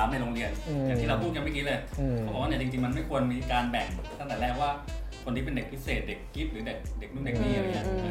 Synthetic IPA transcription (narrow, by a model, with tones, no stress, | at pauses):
aː˨˦mna˧jɾoː˧ŋɾi˧ənjaː˨˩ŋiː˥˩ɾa˧wpʰu˥˩t̪̚ka˧nma˥˩jki˦˥lɤː˧jʰɔ˦˥ɔː˧waː˥˩ni˥˩t͡ɕi˧ŋt͡ɕi˧ŋma˧nma˥˩jkʰu˧ənmiː˧kaː˧nbɛ˨˩ŋt̪ʰa˥˩ŋt̪ɛː˨˩nɛː˥˩k̚waː˥˩kʰo˧nt̪iː˥˩pe˧nde˨˩k̚wi˦˥t̪seː˨˩t̪̚de˨˩k̚ki˦˥t̪̚ɾɯː˨˩˦de˨˩k̚de˨˩k̚nu˥˩de˨˩k̚niː˥˩la˨˩˦i˦˥˩